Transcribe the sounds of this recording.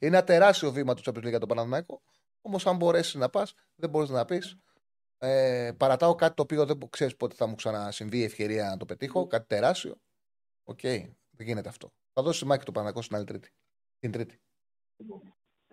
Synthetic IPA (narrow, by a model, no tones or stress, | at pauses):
ineɐt̪e̞ɾɐst̪io̞vimɐt̪usopoliɣɐt̪opɐnɐðnɐko̞ | o̞mo̞sɐmbo̞ɾe̞siznɐpɐs | ðeboɾiznɐpis | epɐɾɐt̪ɐokɐt̪it̪oːpio̞ðekse̞ɾispo̞t̪eθɐmuksɐnɐsiɱviːe̞fçeɾiɐnɐt̪o̞pe̞t̪ixo̞kɐt̪i̥t̪e̞ɾɐst̪io̞̰ | o̰ce̞i | ðeʝine̞t̪e̞ɐft̪o̞̰ | θɐðosst̪imɐçit̪opɐnɐnɐkosinɐlit̪ɾit̪i̥ | t̪ind̪ɾit̪i̥